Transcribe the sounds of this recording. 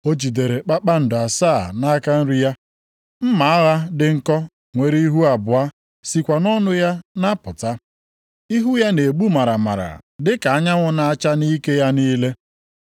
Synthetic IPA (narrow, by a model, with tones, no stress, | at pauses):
o˦t͡ʃi˨de˨ɾe˨k͡pa˦k͡pa˦n̩˨dʊ˨a˨saː˦˨na˦ka˦n̩˦ɾi˦ja˦ | m̩˦ma˨˦a˦ɣa˦dɪ˦ŋ̩˦kɔ˦ | ŋʷe˨ɾi˦i˦ɦu˦a˨bʊ˨a˦ | si˨kʷa˨nɔ˦nʊ˦ja˦na˦pʊ˨ta˦ | i˦ɦu˦ja˦ne˨e˨ɡ͡bu˦ma˨ɾa˨ma̰˨ɾa̰˨dɪ˦ka˨a˦ɲa˦ŋʷʊ˦na˦a˦t͡ʃa˦ni˦ke˦ja˦niː˦le˦